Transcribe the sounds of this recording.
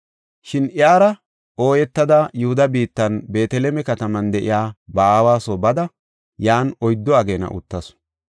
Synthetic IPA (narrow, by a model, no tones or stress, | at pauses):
ʃɪnɪjaːɾɐ | o̞ːjɛt̪ːɐd̪ɐjʊhʊd̪ɐbiːt̪ːɐnbe̞ːt̪ɛlɛmɛkɐt̪ɐmɐnd̪ɛʔɪ̰jaːbaaːwaːsobɐd̪ɐ | jaːnɔjd̪ːɔɐɡeːnɐ̰ʔʊ̰t̪ːɐs